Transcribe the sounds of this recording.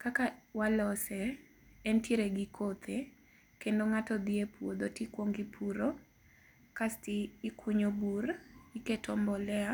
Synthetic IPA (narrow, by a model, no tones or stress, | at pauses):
kakawalɔsɛ | ɛntjeɾeɡikʰot̪ʰe | kendoŋatɔd̪iepwod̪otikwoŋɡipʰuɾo | kastiːkuɲoburiketʰɔmbɔlɛa